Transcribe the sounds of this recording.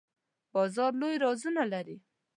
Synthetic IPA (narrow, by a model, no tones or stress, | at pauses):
b̥ɑzɑɾlojɾɑzunalaɾi